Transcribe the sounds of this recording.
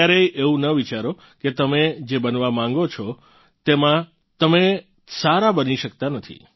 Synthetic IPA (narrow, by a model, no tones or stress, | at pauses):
aɾeʔeũnəʋit͡ʃaɾo | ket̪əmed͡ʒebənʋamãŋɡot͡ʃʰɔ | t̪emã | t̪əme | saɾabəniʃəkt̪anət̪ʰḭ